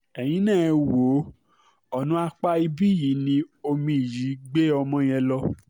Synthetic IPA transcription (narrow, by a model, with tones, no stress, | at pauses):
ɛ˨j̃ĩ˨˦nɛ̃ː˦˨˧wo˨˦ | ɔ˦˨nũ˦a˧k͡pa˧i˧bi˦ji˨˦nĩ˧o˧mĩ˧i˨ji˨˦ɡ͡be˦ɔ˧mɔ̃˧j̃ɛ̃˧lɔ˧˦